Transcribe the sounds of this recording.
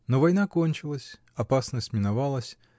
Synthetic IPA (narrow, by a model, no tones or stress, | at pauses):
novɐjnakonʲt͡ɕɪlˠəsʲ | ɐpasnəsʲtʲmʲɪnavalˠəsʲ